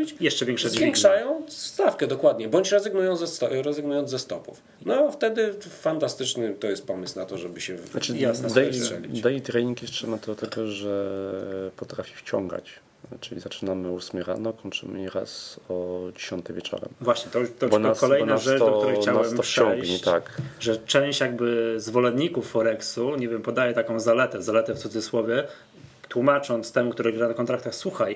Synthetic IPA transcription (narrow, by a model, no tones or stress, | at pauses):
bʲit͡ɕjɛʂt͡ʂɛvʲjɛ̃ŋkʂɛzvʲjɛŋkʂajɔ̃w̃sst̪afkɛd̪ɔkwad̪ɲɛbɔɲt͡ɕɾɛzɘɡnujɔ̃nzɛɔɾɛzɨɡnujɔnzɛst̪ɔpṵf | nɔft̪ɛd̪ɘfant̪ast̪ɘt͡ʂnɘt̪ɔjɛst̪̚pɔmɘsnat̪ɔʐɛbɘɕɛnat͡ʂɘjasd̪ɛʂɛlʲḭd̪ɛjit̪ɾɛlʲiŋkjɛʂt͡ʂɛmat̪ɔt̪ɛɡɔʐɛ | pɔt̪ɾafʲi̥ft͡ɕɔ̰ŋɡa̰t͡ɕ | t͡ʂɘlʲizat͡ʂɘnamɘusmʲɛɾa̰nɔkɔɲt͡ʂɘ̰mɘiɾa̰sɔd͡ʑeɕɔnt̪ɛvʲjɛt͡ʂɔ̰ɾɛ̰mvwaɕɲɛt̪ɔt̪ːɔbɔnakɔlɛjnasʐɛt͡ʂd̪ɔkt̪uɾɛjxt͡ɕanawɛmɔpʂfʂt͡ɕɔŋjɡɲit͡ɕt̪akʐɛt͡ʂɛ̃w̃ɕt͡ɕjaɡbɘzvɔlɛnd̪ɲikufːɔɾɛksuɲevʲjɛmpɔd̪ajɛt̪akɔ̃w̃zalɛt̪ɛzalɛt̪ɛft̪sud̪zɨswɔvʲjɛ | t̪wumat͡ʂɔnt̪st̪ɛmukt̪uɾɛɡɾanakɔnt̪ɾak̚t̪axswuxaj